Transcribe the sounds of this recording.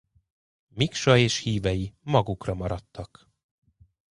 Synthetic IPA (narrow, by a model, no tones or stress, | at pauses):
mikʃɒeːʃhiːvɛjimɒɡukrɒmɒɾɒt̪ːɒk